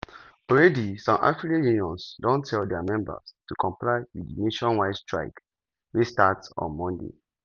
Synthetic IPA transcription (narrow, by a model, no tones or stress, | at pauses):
ɔɹɛdisɔ̃nʔa̰fɹikajũniɔ̃nsdɔ̃ntʰɛldɛamɛ̃mbə̰stukʰɔ̃mplaɪwḭdineʃɔ̃nwaɪdstɹa̰ɪk | westatsɔ̰̃nmɔ̃ndḛ